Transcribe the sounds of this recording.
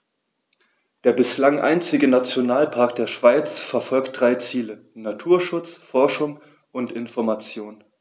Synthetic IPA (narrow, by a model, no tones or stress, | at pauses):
d̥eːɐbɪslaŋʔa̰ɪnt͡sɪɡənat͡sjonaːlpʰaɐk̚d̥eːɐʃv̥aɪt͡sfɛɐfɔlkt̚d̥ʁaɪt͡siːlə | natʰuːɐʃʊt͡sfɔɐʃʊŋ | ʔʊntɪnfɔɐmat͡sjoːn